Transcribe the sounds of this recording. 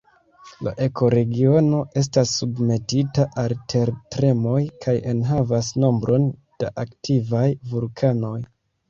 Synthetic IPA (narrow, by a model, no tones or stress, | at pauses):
la̰ʔe̞ko̞ɾe̞ɡio̞no̞ʔe̞s̬tasːubme̞titaʔaltʰe̞ɾtɾe̞mo̞jkʰaje̞nɦavasno̞mbɾʔo̞nd̥aʔaktivajvulkʰano̞j